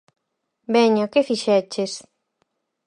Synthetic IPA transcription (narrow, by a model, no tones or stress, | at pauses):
bɛɲokefiʃɛt͡ʃes